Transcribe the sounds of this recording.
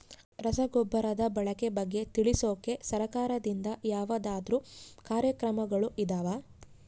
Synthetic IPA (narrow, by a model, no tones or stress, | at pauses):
ɾɐsɐɡɔbːɐɾɐd̪ɐbɐɭɐke̞bɐɡːe̞t̪iɭisoːke̞sɐɾɐkaːɾɐd̪ind̪ɐjaːʋɐd̪aːd̪ɾuːkaːɾjɐkɾɐmɐɡɐɭuʔid̪aːʋaː